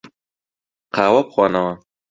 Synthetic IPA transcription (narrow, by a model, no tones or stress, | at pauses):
qaːwapxwɑnawa